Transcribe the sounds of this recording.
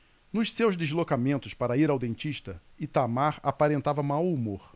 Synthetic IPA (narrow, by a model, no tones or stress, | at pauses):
nʊʃsewzd̪ezlokamẽnt̪ʊspaɾɐiɾawd̪ẽnt͡ʃiʃt̪ɐ | it̪amaɾapaɾẽnt̪avɐmawumoɾ